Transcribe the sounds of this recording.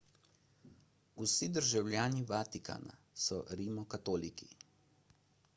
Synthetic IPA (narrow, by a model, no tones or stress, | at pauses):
usid̪əɾʒawljaːniʋat̪ika̰na̰ | sɔɾimɔkat̪oːliki